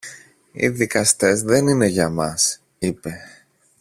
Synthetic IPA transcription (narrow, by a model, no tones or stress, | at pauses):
ḭðikɐst̪e̞zðe̞nine̞ʝɐmɐs | ipe̞